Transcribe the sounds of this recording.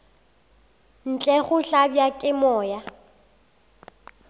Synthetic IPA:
n̩t͡ɬʼɛχʊɬabjakʼɪmɔːja

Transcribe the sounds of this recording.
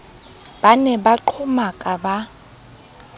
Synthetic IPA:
banɛbaǃʰʊmakʼaba

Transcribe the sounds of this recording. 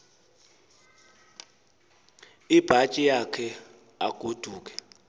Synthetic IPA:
ib̥ʱat͡ʃʼijakʰɛ | a̰ɡ̥ʱod̥ʱuːk̬ʼɛ̥

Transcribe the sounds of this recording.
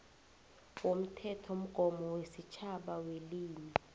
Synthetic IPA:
wom̩tʰɛtʰom̩ɡ̥ʱɔmɔwesit͡ʃʰaɓaweliːmɛ

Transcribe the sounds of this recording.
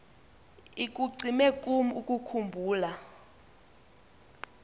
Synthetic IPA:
ik̬ʼuǀimɛkʼum̩ukʼukʰumbʱuːla

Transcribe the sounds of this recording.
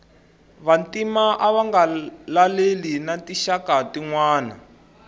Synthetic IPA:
βantimaʔaβaŋɡalalelinatiʃakatiŋwaːna̰

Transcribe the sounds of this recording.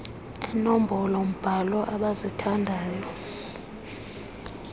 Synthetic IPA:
ɛnom̩bʱɔlɔm̩b̥ʱalɔʔaɓazitʰandʱaːjɔ

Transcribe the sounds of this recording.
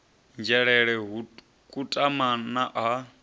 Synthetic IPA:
nd͡ʒɛɺɛɺɛɦu | kʼutʼamanaʔa

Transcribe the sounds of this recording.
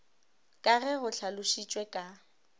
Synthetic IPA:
kʼaɣɛɣʊɬʰalʊʃit͡ʃʼwɛkʼa

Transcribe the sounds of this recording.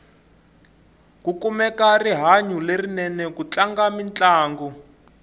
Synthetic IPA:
kukumɛkariɦaɲulerinɛnɛk̬ut͡ɬaŋɡamint͡ɬʼaːŋɡɔ

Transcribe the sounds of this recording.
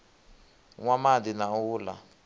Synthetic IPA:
ŋwamadinauːla̰

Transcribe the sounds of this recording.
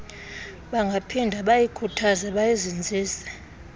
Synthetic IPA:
ɓaŋɡʱapʰindʱaɓajikʰutʰazaɓajizind͡zʱiːsɛ̥

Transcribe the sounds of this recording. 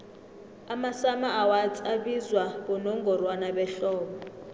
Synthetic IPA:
amasamaːwat͡sʰʼiaβizwaβɔnɔŋɡɔrwanabɛɬɔːɓɔ

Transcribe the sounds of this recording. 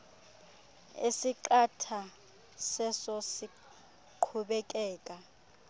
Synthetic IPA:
ḛsiǃatʰa | sɛsɔsi | ǃʰuɓɛk̬ʼɛːkʼa

